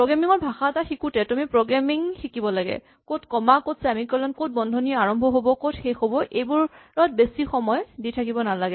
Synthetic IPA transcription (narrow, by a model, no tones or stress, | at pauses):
pɹoɡɹamiŋɔɹbʱaxataxikutɛtumipɹoɡɹamiŋxikibɔlaɡɛ̰ | kotkɔmakotsɛamikɔlɔnkot̚bɔndʱɔnijɔaɹɔmbʱɔɦobɔkotxejxobɔʔejbuɹɹat̚besixɔmɔjditʰakibɔnalaɡɛ